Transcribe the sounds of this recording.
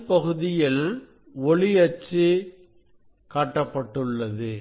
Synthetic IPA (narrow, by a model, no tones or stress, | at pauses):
pɐɣɯðɪjɪl | ɔɭɪɐt͡ʃːɯ | kaːʈːɐpːɐʈːɯɭːɐðɯ